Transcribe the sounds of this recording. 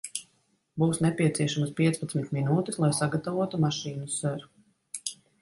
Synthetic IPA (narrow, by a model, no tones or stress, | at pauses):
buːsnɛpʲiɛt̪siɛʃamɐspiɛspat̪smit̪minuːt̪ɛslˠajsaɡat̪avuɔt̪umaʃiːnusøɾu